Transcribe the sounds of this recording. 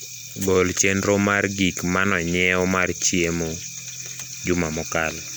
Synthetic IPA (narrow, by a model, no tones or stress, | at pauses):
ɡolt͡ʃendɾomarɡikmanɔɲɛɔmart͡ʃiemo | d͡ʒʊmamɔkal